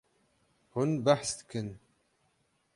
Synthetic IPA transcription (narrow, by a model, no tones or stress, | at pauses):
hʊnbaħθt̪kən